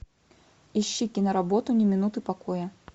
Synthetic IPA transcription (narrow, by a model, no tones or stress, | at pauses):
iɕːikʲinɐɾabɔt̪unʲɪmʲɪnut̪ɨpakɔjɛ